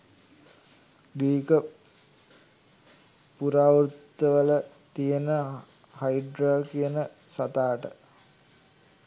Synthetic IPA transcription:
ɖiːkə | puɾaːʋɾut̪ːəʋələ | t̪ijənə | hajɖɾaːkijənə | sat̪aːʈə

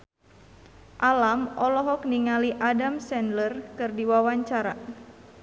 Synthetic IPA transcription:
ʔalamɔlɔɦɔkniŋaliʔadamsɛndlərkɨrdiwawaɲt͡ʃaɾa

